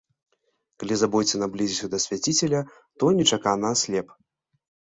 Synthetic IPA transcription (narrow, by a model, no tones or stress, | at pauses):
kalʲizabɔjʲt͡sʲɛnablʲizʲisʲud̪ɐsʲvʲat͡sʲit͡sʲɛlʲɐ | t̪ɔnʲɛt͡ʂakanasʲlʲɛp